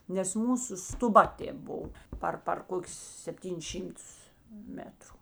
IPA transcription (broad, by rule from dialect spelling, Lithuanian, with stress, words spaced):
nʲɛs ˈmuːsʊ stʊˈbɐ ˈtʲeːp ˈboːw ˈpɐr pɐr ˈkoːkʲʊs sʲɛpʲˈtʲiːnʲɪs ˈʃʲiːmˌtʊs ˈmʲæːtrʊ